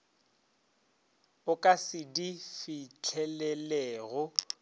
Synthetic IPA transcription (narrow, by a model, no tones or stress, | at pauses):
ʊkʼasɪdifɪt͡ɬʰɛlɛlɛːɣɔ